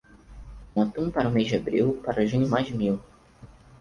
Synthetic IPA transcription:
ũat̪ũpaɾʊmezd͡ʒɪabɾiwpaɾɐʒũɲʊmajzd͡ʒmiw

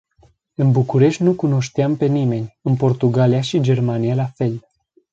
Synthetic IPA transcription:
ɨnbukuɾe̞ʃʲt̪ʲnukuno̞ʃt̪eampe̞nime̞nʲɨnpo̞rt̪uɡalijaʃid͡ʒe̞rmanijalafe̞l

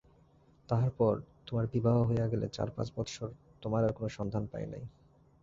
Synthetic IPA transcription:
t̪aɦaɾpɔɾt̪omaɾbibʱaɦoɦojaɡelḛt͡ɕa̰ɾpã̰t͡ɕbɔt̪ʃoɾ | t̪omaɾaɾkonoʃɔnd̪ʱanpa̰jena̰j

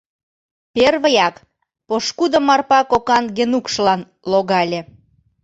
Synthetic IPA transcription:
perβəjɑk | poʃkud̪ə̆mɑrpɑkokɑnɡenukʃlɑn | loɣɑlʲĕ

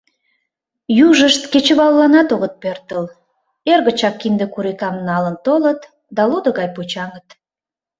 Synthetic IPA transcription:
juʒəʃt̪ket͡ɕəβɑlːɑnɑt̪oɣət̪̚pørt̪əl | erɣət͡ɕɑkːind̪ekuɾikɑmnɑlənt̪olət̪ | d̪ɑlod̪əɣɑjput͡ɕɑŋət̪

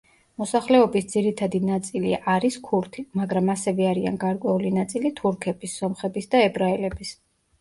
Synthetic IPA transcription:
mɔsaχlɛɔbisd̪ziɾit̪ʰad̪inat̪sʼiliʔaɾiskʰuɾt̪ʰimaɡɾamasɛvɛaɾia̰nɡaɾkʼwɛulinat̪sʼilit̪ʰuɾkʰɛbisːɔmχɛbisd̪aɛbɾaɛlɛbis

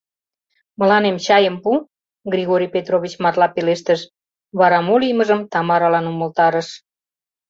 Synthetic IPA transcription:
mə̆lɑnemt͡ɕɑjəmpu | ɡrʲiɣoɾʲijpet̪ɾoβʲit͡ɕmɑrlɑpeleʃt̪əʃ | βɑɾɑmolʲijməʒəmt̪ɑmɑɾɑlɑnumə̆lt̪ɑɾəʃ

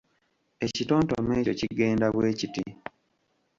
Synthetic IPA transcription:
e̞cito̞ːntomeːociɡe̞ːndaβwe̞ːciti

